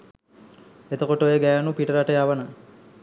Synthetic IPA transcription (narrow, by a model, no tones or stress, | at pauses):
et̪əkoʈojeɡæːnupiʈəɾaʈəjaʋəna